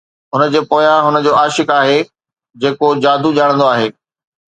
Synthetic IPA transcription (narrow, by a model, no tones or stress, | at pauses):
ɦʊnəd͡ʑeːpoːjãɦʊnəd͡ʑoːaːʃɪkaːɦe | d͡ʑeːkod͡ʑaːd̪ʱuʄaːɽ̃nd̪oaːɦeː